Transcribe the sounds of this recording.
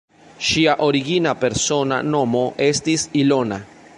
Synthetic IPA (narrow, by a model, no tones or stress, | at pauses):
ʃiaʔoɾiɡinape̞ɾso̞na̰no̞mo̞ʔe̞st̪isilo̞na̰